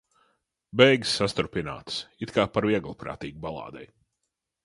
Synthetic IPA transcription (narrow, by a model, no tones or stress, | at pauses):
bɛjɡsːast̪uɾpina̰ːt̪sit̪kaːpaɾviɛɡlˠpɾa̰ːt̪iːɡubalˠa̰ːd̪ɛ̰j